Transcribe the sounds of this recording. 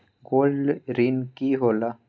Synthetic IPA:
ɡoːlɖɾinkiɦoːla

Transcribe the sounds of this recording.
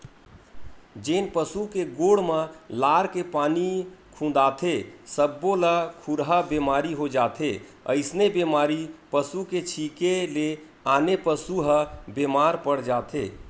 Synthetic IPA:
d͡ʒenpəsukeɡoɽməlaɾkepanikʰũd̪at̪ʰesəbːoləkʰuɾɦabemaɾiɦod͡ʒat̪ʰe | ə̰ɪsnebemaɾipəsuket͡ʃʰikele | anepəsuɦəbemaɾpəɽd͡ʒat̪ʰe

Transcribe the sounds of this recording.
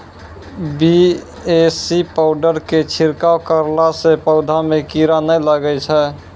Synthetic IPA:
bi | esipaʊɖəɾket͡ʃʰiɾkawkəɾlasepəʊd̪ʱamekiɾanəjləɡɛt͡ʃʰɛ

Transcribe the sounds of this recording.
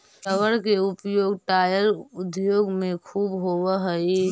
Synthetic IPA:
səʋəɾkeʊpjoːɡʈaːjəɾʊd̪joːɡmẽkʰuːbɦoʋəɦəi

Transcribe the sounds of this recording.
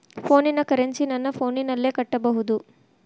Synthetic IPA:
pʰo̞ːninɐkɐɾeɲt͡ʃinɐnːɐpʰo̞ːninɐlːe̞ːkɐʈːɐbɐɦud̪u

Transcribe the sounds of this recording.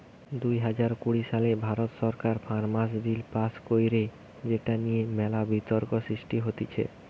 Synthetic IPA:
d̪ujɦad͡ʑaɾkuɽiʃalebʱaɾot̪ʃɔɾkaɾfaɾmas̬bilpaskojɾe | d͡ʑeʈanijemɛlabit̪oɾkosɾiʃʈiɦot̪it͡ɕʰḛ

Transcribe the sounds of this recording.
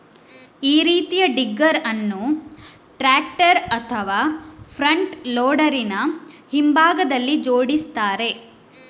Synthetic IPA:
iːɾiːt̪ijɐɖiɡːɐɾɐnːu | ʈɾaːk̚ʈɐɾɐt̪ʰɐʋaːpʰɾɐɳʈloːɽɐɾinɐhimbʱaːɡɐd̪ɐlːid͡ʒoːɽist̪aːɾe̞

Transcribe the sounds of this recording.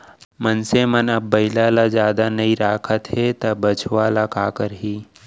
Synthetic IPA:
mənsemənəbːəɪlalad͡ʒjaːd̪anəĩɾaːkʰət̪ɦet̪ɐbət͡ʃʰwalakaːkəɾɦiː

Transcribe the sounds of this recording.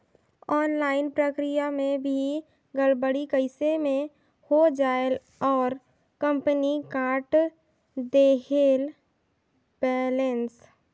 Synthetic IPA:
ɔːnlaːɪnpɾəkɾɪjamẽbʱi | ɡəlbəɽikəɪsemẽ | hod͡ʒaːel | ɔːɾ | kə̃mpənikaːɾʈ | d̪eːɦeːl | bɛːlens

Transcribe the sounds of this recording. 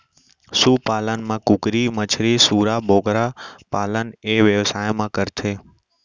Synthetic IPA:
suːpaːlənmãkʊkɾimət͡ʃʰɾisuːɾaboːɡɾapaːləneʋjəʋsaːjmãːkəɾt̪ʰeː

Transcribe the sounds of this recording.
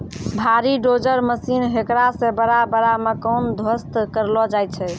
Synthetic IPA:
bʱaɾiɖod͡ʒəɾməsinɦekɾasẽbəɾabəɾamekənd̪ʱwəst̪kəɾlɔd͡ʒajt͡ʃʰɛ

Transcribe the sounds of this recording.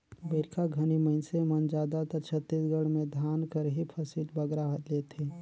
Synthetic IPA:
bəɾkʰaɡʱəniməɪnsemənd͡ʒaːd̪at̪ət͡ʃʰət̪ːisɡəɽmẽd̪ʱaːnkəɾɦipʰəsiʈ̪bəɡɾaɦət̪let̪ʰe

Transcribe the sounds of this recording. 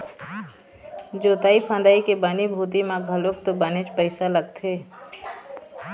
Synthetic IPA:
d͡ʒoːt̪aːipʰãnd̪aːikebanibʱuːt̪̬imãɡʱəloːk̚t̪obanet͡ʃpəɪsaləɡ̚t̪ʰeː

